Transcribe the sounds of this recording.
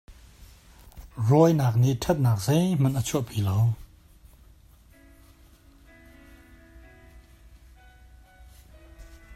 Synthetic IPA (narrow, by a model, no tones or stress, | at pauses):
rɔjnaːk̚niʔtʰɛt̪̚naːk̚zejm̥anʔət͡sʰuʔpʰilow